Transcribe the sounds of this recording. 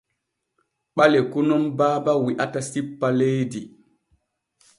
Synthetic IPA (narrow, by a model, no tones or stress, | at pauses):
ɓalɛkunɔmbaːbawiʔatasipːalejdi